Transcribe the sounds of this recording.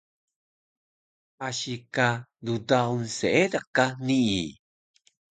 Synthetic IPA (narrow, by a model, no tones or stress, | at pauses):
ʔaɕikadudaunseedakanii